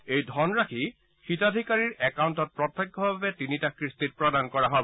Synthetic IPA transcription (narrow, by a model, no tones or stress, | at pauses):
ejdʱɔnɹakʰi | xitadʱikaɹiɹɛkauntɔt̚pɹɔt̪ʰːeɡʱːɔbabɛtinitakɹistit̚pɹɔdankɔɹaɦɔbɔ